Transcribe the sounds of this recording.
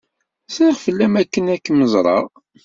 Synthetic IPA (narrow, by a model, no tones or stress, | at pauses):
sɾiχfəlːæmækːənækːməzˤɾˤɑ̰ʁ